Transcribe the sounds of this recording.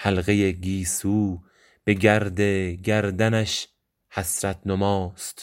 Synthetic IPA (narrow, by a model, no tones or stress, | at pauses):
hælɣejeɡiːsuː | b̥e̞ɡæɾd̪eɡæɾd̪ænæʃ | hæsɾæt̪̚ʰnomɒːst̪